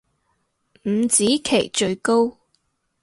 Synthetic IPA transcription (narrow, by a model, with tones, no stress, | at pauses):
m̩˨˧˥t͡siː˨˥kʰe˨˩jt͡ʃɵ˧ɥko˥w